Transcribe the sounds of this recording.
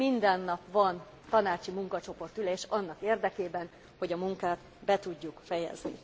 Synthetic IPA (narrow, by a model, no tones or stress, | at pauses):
mind̪ɛnːɒpʋɒn | t̪ɒnaːt͡ʃimuŋkɒt͡ʃo̞po̞rt̪yleːʃɒnːɒkeːrd̪ɛkeːbɛn | ho̞ɟɒmuŋkaːt̪ | bɛt̪uɟːukfɛjɛ̰znḭ